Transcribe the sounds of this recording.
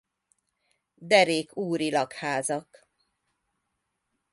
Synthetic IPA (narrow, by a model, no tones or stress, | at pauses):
d̪ɛɾeːkuːɾilɒkhaːzɒk